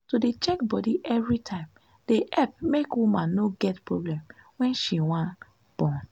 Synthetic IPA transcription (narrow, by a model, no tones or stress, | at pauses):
sodet͡ʃɛkbɔdiʔɛvɹitʰãɪ̃m | d̥eʔɛp̚mekwumãnːoɡɛtpɹoblɛ̃mwɛ̃nʃiwãn | b̥ɔ̃n